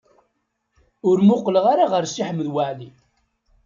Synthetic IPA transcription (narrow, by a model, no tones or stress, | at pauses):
ʊɾmʊqːləʁaɾaʁəɾsiħəmːəðwaʕli